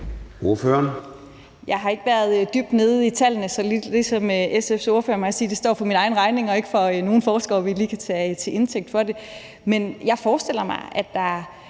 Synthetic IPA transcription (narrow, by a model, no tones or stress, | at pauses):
oɐføːɐn | jɑ̈ɪɦɑ̈e̝ɡ̥əʋæɐð̞ˠd̥yb̥d̥ne̝ːð̞̩ˠit͡sʰæl̰nəsɒ̽li̥isɒ̽mʔesefso̝ɐføːɐmɑsiːd̥e̝sd̥ɒ̰ːfɒ̽minɑ̈ɪnʁɑ̈ɪne̝ŋɒ̽e̝ɡ̥əfɒ̽no̝ːn̩fɒːsɡ̥ɒʋiliːkʰæt͡sʰɛːt͡sʰe̝ʔe̝nt͡sʰeɡ̥̚d̥fɒ̽de̝ | menjɑ̈ɪfɒːsd̥el̰ɐmɑ̈ɪʔæd̥ɑ̈ɐ